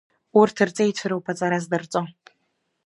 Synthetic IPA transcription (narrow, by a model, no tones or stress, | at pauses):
urtʰɨrt͡sʼejtʷʰɨɾɨwpʰat͡sʼaɾazdɨrt͡sʼo